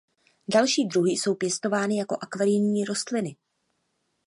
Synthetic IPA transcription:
dalʃiːdɾuɦɪso̞wpjɛst̪o̞vaːnɪjako̞ʔakvaɾɪɲɲiːɾo̞st̪lɪnɪ

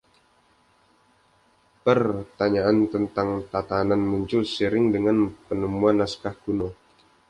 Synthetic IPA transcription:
pərt̪aɲaʔant̪ənt̪aŋt̪at̪ananmuɲt͡ʃʊlsəɾɪŋdəŋanpənəmuanːaskahɡ̥uno

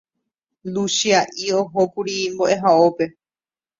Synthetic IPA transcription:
luʃiaʔioɦokuɾimbo̞ʔe̞ɦaope̞

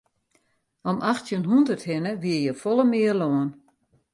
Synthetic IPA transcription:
ɔmʔaxtjənɦundərthɪnəʋiəjəfɔlˠəmɪərloən

